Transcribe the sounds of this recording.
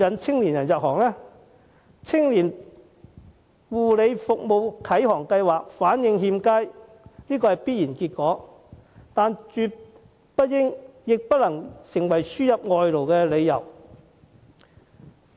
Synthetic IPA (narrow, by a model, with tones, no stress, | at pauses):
jɐ˨˩nt͡sʰɪ˥ŋliː˨˩njɐ˨˩njɐ˨p̚hɔː˨˩ŋlɛː˥ | t͡sʰɪ˥ŋliː˨˩n | wuː˨˩le˨˧jfʊ˨k̚mo˨˧wkʰɐ˨˥jhɔː˨˩ŋkɐ˧jwaː˨k̚faː˨˥njɪ˧ŋhiː˧mkaː˥j | liː˥kɔː˧hɐ˨jpiː˥t̚jiː˨˩nkiː˧t̚kɔː˨˥ | t̪aː˨nt͡ʃyː˧t | pɐ˥t̚jɪ˥ŋjɪ˨k̚pɐ˥t̚lɐ˨˩ŋsɪ˨˩ŋwɐ˨˩jsyː˥jɐ˨p̚ŋɔː˨jlo˨˩wkɛː˧le˨˧jɐ˨˩w